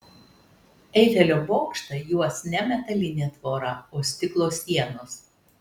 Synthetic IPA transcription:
ɛɪʒʲɛlʲoːboːkʃt̪ɐjuɔsnʲɛmʲɛt̪ɐlʲɪnʲeːt̪ʋoːɾɐoːsʲt̪ʲɪklˠoːsʲiɛnoːs

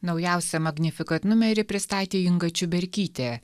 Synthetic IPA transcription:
nɒʊjɛˑʊsʲɛmɐɡʲnʲɪfʲɪkɐnʊmʲɛɾʲɪpʲɾʲɪst̪ɑːt̪ʲeːɪŋɡɐt͡ʃʲʊbʲɛɾʲkʲiːt̪ʲeː

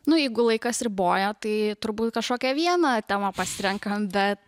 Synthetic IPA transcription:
nʊjɛɪɡʊlˠɐɪkɐsɾʲɪboːjoːt̪ɐɪt̪ʊɾbuːt̪kɐʃkoːkʲɛʋʲiɛnɐt̪ʲæːmɐpɐsʲɪɾʲɛŋkɐmbʲɛt̪

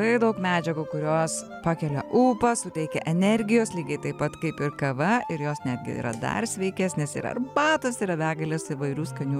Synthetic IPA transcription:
ɐɪd̪ɐʊkmʲæːd͡ʒʲɛɡuːkʊɾʲoːs | pɑːkʲɛlʲɛʔuːpɐsʊt̪ʲɛɪkʲɛʔɛnʲɛɾʲɡʲɪjoːslʲiːɡʲɐɪt̪ɐɪpɐt̪kɐɪpɪɾkɐʋɐɪɾjoːsnʲæːd̪ʲɡʲɪ̰ḭːɾɐ̰d̪ɐ̰rsʲʋʲɛɪkʲesnʲɛsḭːɾɐ̰rbɑːt̪osɪɾɐʋʲæːɡɐlʲɛsɪʋɐɪɾʲuːskɐnʲuː

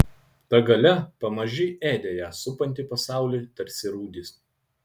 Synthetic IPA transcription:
t̪ɐɡɐlʲɛpɐmɐʒʲɪʔeːd̪ʲeːjæːsʊpɐnʲt̪ʲiˑpɐsɑˑʊlʲiːt̪ɐɾʲsʲɪɾuːd̪ʲis

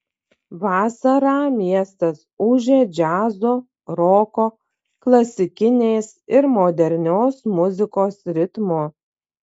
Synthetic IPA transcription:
ʋɑːsɐɾɑːmʲiɛst̪ɐsʊʒʲeːd͡ʒʲæːzoː | ɾoːkoː | klˠɐsʲɪkʲɪnʲeːsɪɾmoːd̪ʲɛɾʲnʲoːsmʊzʲɪkoːsɾʲɪt̪moː

